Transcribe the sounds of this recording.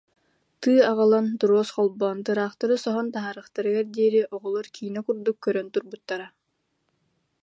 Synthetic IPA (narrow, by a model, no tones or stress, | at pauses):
t̪ɯːaʁɯlˠant̪uɾɔɔsqɔlˠbɔːnt̪ɯɾaːχt̪aɾɯsɔɦɔnt̪aɦaːɾɯχt̪aɾɯɡaɾd̪iɛɾiʔɔʁɔlˠɔɾkʰiːnɔkuɾd̪ukːœɾœnt̪uɾbut̪ːaɾa